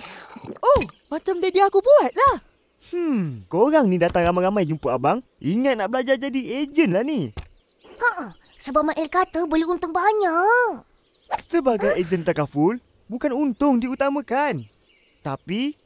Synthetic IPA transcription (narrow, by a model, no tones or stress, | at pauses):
oh | mat͡ʃamdadiaːkubuat̪̚lah | h̩koɾaŋnĩdat̪aŋramajɾamajd͡ʒumpuabaŋ | ʔiŋat̪̚naʔbəlad͡ʒad͡ʒadied͡ʒənlahni | aʔ | səbap̚maʔɛlkat̪əbolehunt̪ʊŋbaɲaʔʔk | səbaɡajed͡ʒənt̪akafʊl | bukanunt̪ʊŋdiut̪amãkan | t̪api